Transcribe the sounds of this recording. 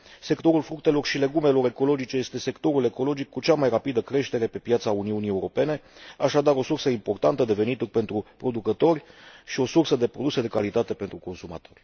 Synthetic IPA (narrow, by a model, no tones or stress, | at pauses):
se̞kt̪o̞ɾulfɾuk̚t̪e̞lo̞rʃile̞ɡumelo̞ɾe̞ko̞lo̞d͡ʒit͡ʃe̞je̞st̪e̞se̞kt̪o̞ɾule̞ko̞lo̞d͡ʒikːut͡ʃamajrapid̪əkɾe̞ʃt̪e̞ɾe̞pe̞pjat̪sauniunieuɾo̞pe̞ne̞aʃad̪aɾo̞sursəimpo̞rt̪ant̪əd̪e̞ve̞nit̪urpe̞nt̪ɾupɾo̞d̪ukət̪o̞rʲʃio̞sursəd̪e̞pɾo̞d̪use̞d̪e̞kalit̪at̪e̞pe̞nt̪ɾuko̞nsuma̰t̪o̞rʲ